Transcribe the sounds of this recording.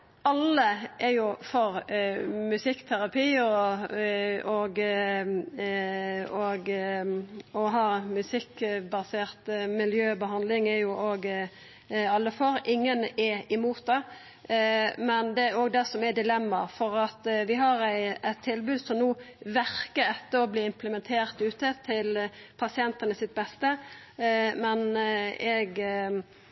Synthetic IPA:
ɑlːəʔɛɾjʊfɔɾmʉsɪkːt̪ʰæɾɑpʰiːɔ | oɡ | oɡ | ɔɦɑːmʉsɪkːbɑseːʁt̪mɪljøːbəɦɑnd̪lɪŋɛɾjʊʔoːɡ | ɑlːəfɔɾʔɪŋːənɛɪmuːt̪̚d̪ɛ | mɛnd̪ɛæɾoːɡd̪ɛsɔmæd̪ɪlɛmːɑɾfɔʁɑt̪ʋɪɦɑɾæɪɛt̪ʰːɪlbʉːd̪sɔmnuː | ʋæɾkəɾɛt̪ːəɔbliːɪmpləmɛnt̪ʰeːʁt̪ʉːt̪ət̪ʰɪlpʰɑsɪɛnt̪ənəsɪt̪̚bɛst̪ə | mɛnɛɡ

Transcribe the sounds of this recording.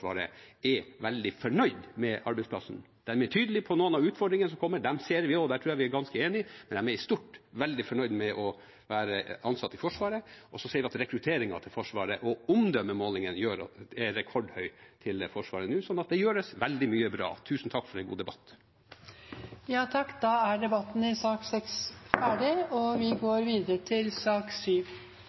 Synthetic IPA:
ʋɑ̰ːɾəɛʋɛld̪ɪfɔɳœʏd̪mɛʔɑ̰ɾbɛɪsplɑ̰sn̩ | d̪̥æɾmɛʈʰyːd̪əlɪpʰɔnoːənɑʋʉːt̪fɔɖɾɪŋənəsɔmkʰɔmːəɖ̪ɛmseːɾʋɪɔd̪æːʈʰɾʉːjæʋɪæɡɑnskəeːnɪmɛnɛmɛɾst̪uʈʋɛld̪ɪfɔɳœʏd̪mɛʔɔ | ʋæːɾəɑnsɑt̪ːɪfɔʂʋɑːɾəʔɔsɔseːɾʋɪɑt̪ɾɛkɾʉt̪ʰeːɾɪŋɑ̰t̪ʰɪlfɔʂʋɑːɾəʔɔʊmd̪œmːəmoːlɪŋənjøːɾɑ̰ɛɾɛkʰɔɖhœʏt̪ʰɪlfɔʂʋɑ̰ːɾənʉːsɔnːɑt̪̚d̪ɛjøːɖəsʋɛld̪ɪmyːəbɾɑ̰ːt̪ʰʉːsn̩t̪ʰɑkːfɔɾɛnɡṵːd̪ɛbɑt̪ː | jɑːt̪ʰɑkːd̪ɑæɖɛbɑt̪ːn̩ɪsɑːksɛksfæːɖɪɔʋɪɡoːɾʋiːd̪əɾət̪ʰɪlsɑːksyːʋ

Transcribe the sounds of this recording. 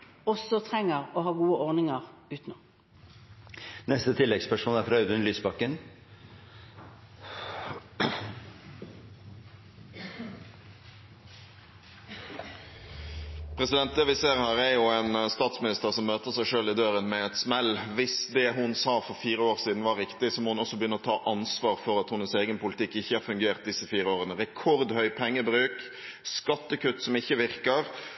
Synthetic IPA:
ɔsɔt̪ʰʁɛŋəʁɔhɑːɡuːəʔɔʁnɪŋəʁʉːt̪noː | nɛst̪ət̪ʰɪlːɛɡspʰæʂuːnæɾfɾɑʉd̪ʉnlyːsbɑkːən | pʰʁɛsɪd̪ɛnt̪̚d̪ɛʋɪseːʁhæːʁæjuæɪnst̪ɑːt̪smɪnɪst̪əʁsɔmːøːt̪əʁsæɪʂøːlɪd̪øːʁənmɛɛt̪smɛlʋɪsd̪ɛɦʊnsɑːfɔʁfiːʁəoːʁsiːd̪n̩ʋɑɾɪkt̪ɪsɔmoːhʊnɔsːɔbəjʏnəɔt̪ʰɑːʔɑnsʋɑːʁfɔɾɑt̪hʊnəseːɡənpʊlɪt̪ɪkːɪçːəhɑːɾfʉŋɡeːʁt̪̚d̪ɪsːəfiːʁəoːʁənəʁɛkʰɔʁd̪hœʏpʰɛŋːəbɾʉːk | skɑt̪ːəkʉt̪ːsɔmɪçːəʋɪʁkəʁ

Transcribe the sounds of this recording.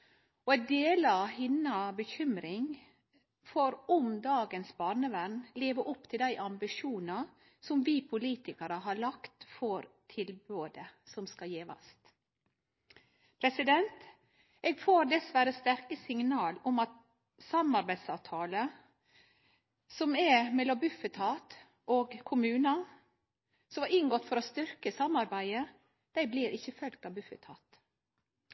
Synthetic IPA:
ɔɛɪd̪eːlɑhɪnːɑbəçʏmɾɪŋ | foːɾɔmd̪ɑːɡənsbɑːɾnəʋæɾnleːʋəʔɔpːt̪ʰɪld̪æɪʔɑmbɪʂuːnɑ | sɔmʋiːpʰʊliːt̪ɪkɑɾəɦɑːɭɑkt̪fɔɾt̪ʰɪlbøːd̪əsɔmskɑjeːʋɑ̰st̪ | pʰɾɛsɪd̪ɛnt̪ | eːɡfoːɾd̪ɛsʋæɾəst̪æɾkəsɪŋnɑːlɔmɑt̪ | sɑmɑɾbæɪsɑʋt̪ʰɑːlə | sɔmæmɛlːɔmbʉfət̪ʰɑːt̪ | ʔoːɡkʰʊmʉːnɑ | sɔmɑɾɪŋɡɔt̪ːfɔɾost̪ʏɾkəsɑmɑɾbæɪə | d̪̥æɪbliːɾʔɪçːəfœlk̚t̪ɑʋbʉfət̪ʰɑːt̪

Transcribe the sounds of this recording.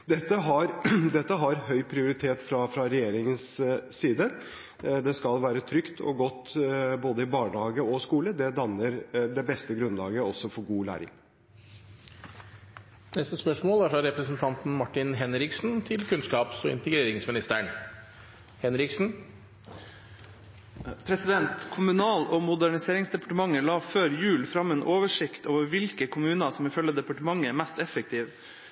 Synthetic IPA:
d̪ɛt̪ːəɦɑɾd̪ɛt̪ːəɦɑɾɦœʏpʰɾɪʊɾɪt̪ʰeːt̪fɾɑfɾɑɾɛjeːɾɪŋənsːiːd̪ə | d̪ɛskɑlʋæːɾət̪ʰɾʏkt̪ʰɔ̰ɡɔt̪ːboːd̪əɪbɑːɳəhɑːɡəɔskuːləd̪ɛd̪ɑnːəɾd̪ɛbɛst̪əɡɾʉnlɑːɡəɔsːɔfɔɾɡuːlæ̰ːɾɪ̰ŋ | nɛst̪əspœʂmoːlæfɑɾɛpɾəsnt̪ʰɑnt̪n̩mɑʈːɪnɦɛnɾɪksn̩t̪ʰɪlkʰʉnskɑːpsɔɪ̰nt̪əɡɾeːɾɪŋsmɪnɪst̪əɳ | hɛnɾɪksn̩ | pʰɾɛsɪd̪ɛnt̪kʰʊmʉnɑːloːmʊd̪æɳɪseːɾɪŋsd̪ɛpɑ̥ʈəmɑŋːəlɑːføːɾjʉːlfɾɑmeːnʔoːʋəʂɪkt̪oːʋəɾʋɪlkəkʰʊmʉːnɑsɔmɪfœlːəd̪ɛpɑʈəmɑŋːəæmæst̪ɛfək̚t̪ʰiːʋ

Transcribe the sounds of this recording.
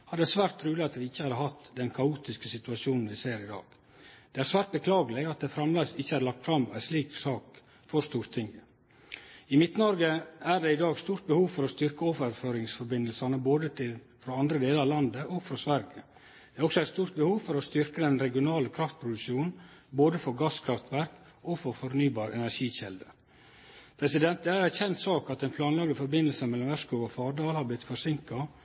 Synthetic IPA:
hɑɖ̪ɛsʋæːɾt̪ʰːɾʉːlɪɑt̪ʋɪɪçːəhɑd̪əhɑt̪d̪ɛnkʰɑuːt̪ɪskəsɪt̪ʉɑʂuːnn̩ʋɪseːɾɪd̪ɑ̰ːɡ̥ | d̪̥ɛæɾsʋæːɾt̪̚bəkʰlɑːɡəlɪɑt̪̚d̪ɛfɾɑmlɑsɪçːəæɾlɑk̚t̪fɾɑmːæ̰ɪsliːksɑːk | fɔɾst̪uːɾt̪ʰɪŋə | ɪmɪt̪nəɔɾɡəʔæɖɛɪd̪ɑːɡst̪uːɾt̪̚bəhuːʋfɔɾɔst̪ʏɾkəoːfɾføːɾɪŋsfɔɾbɪnːəlsɑnəboːd̪ət̪ʰɪl | fɾoːɑnd̪ɾəd̪eːləɾɑʋlɑnd̪əʔoːɡfɾosʋæɾə | d̪̥ɛæɾɔksɔæɪst̪uːɾt̪̚bəhuːʋfɔɾɔst̪ʏɾkəd̪ɛnɾɛɡɪʊnɑːləkʰɾɑft̪̚pʰɾʊd̪ʉʃuːn̩boːd̪əfɔɾɡɑskʰɾɑft̪ʋæɾk | oːfɔɾfɔɾnyːbɑːɾɛ̰næʂiːçɛld̪ə | pʰɾɛsɪd̪ɛnt̪̚d̪ɛæɾæçɛnt̪sɑːkɑt̪ɛɪnpʰlɑːnlɑɡd̪əfɔɾbɪnːəlsəmɛlːɔmæʂkuɡɔfɑːɾɖɑːlhɑːblɪt̪ːfɔsɪŋkɑ

